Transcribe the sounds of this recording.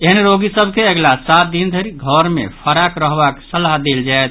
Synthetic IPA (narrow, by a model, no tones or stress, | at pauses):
eɦənɾoɡisəbkeeɡlasat̪̚d̪ind̪ʱəɾiɡʱəɾmḛpʰəɾakɾəɦbaksəlaɦd̪eld͡ʒaet̪̚